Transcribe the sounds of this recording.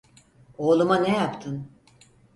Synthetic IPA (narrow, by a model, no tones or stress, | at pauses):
oːlˠumanejapt̪ʰɯn